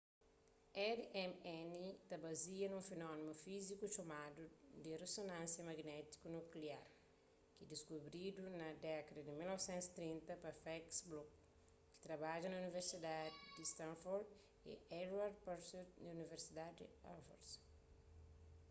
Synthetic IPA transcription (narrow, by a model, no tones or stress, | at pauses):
ɛdɛmɛnit̪ɐbɐziɐnũfenɔnimufizikuʃomad̪ud̪iresonãnsjɐmɐɡnɛt̪i̥kunukliaɾ | kid̪iskubɾid̪unɐd̪ɛkɐd̪ɐd̪imilnɔvsɛ̃nt̪si̥t̪ɾĩnt̪ɐpɐfɛksblɔk̚ː | i̥t̪ɾɐbaʒɐnɐuniveɾsid̪ad̪d̪ist̪ãnfɔɾd̪ | ḛɛdwaɾd̪̚paɾseɾdɐuniveɾsid̪ad̪iafo̰ɾs